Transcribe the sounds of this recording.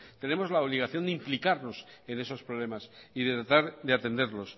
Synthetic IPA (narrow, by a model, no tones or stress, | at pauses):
t̪e̞ne̞mo̞zlaoβliɣ̞aθjo̞nd̪implikaɾno̞se̞ne̞so̞spɾoβle̞masiðe̞t̪ɾat̪aɾðeat̪end̪e̞ɾlo̞s